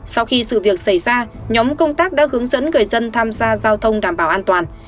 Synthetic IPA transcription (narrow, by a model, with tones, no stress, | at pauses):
sa˧wxi˧sɨ̰˧˨vi˨˩ək̚sa˧˩jzaː˧ɲɔ˨˦mkə˧wŋ͡mt̪aː˦˥k̚ɗa̰ː˧˥hɨ˨˦əŋzə̰˧˥nŋɨ˨˩əjzə˧nt̪ʰaː˧mzaː˧zaː˧wt̪ʰə˧wŋ͡mɗaː˧˩mɓaː˧˩wʔaː˧nt̪waː˨˩n